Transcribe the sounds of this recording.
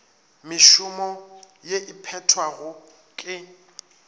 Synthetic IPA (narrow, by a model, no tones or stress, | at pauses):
mɪʃʊmɔjeʔɪpʰɛtʰwaɣʊ | kʼɪ